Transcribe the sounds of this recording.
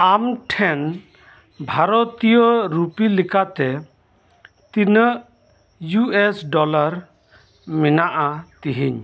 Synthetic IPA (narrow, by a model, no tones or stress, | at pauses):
amʈʰɛn | bʱaɾɔt̪ijɔɾupilikat̪ɛ | t̪inə | juesɖɔlaɾ | minaʔat̪iɦiɲ